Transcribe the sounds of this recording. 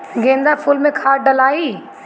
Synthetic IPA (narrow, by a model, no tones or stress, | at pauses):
ɡẽːnd̪afuːlmẽkʰaːɾɖɐlaːiː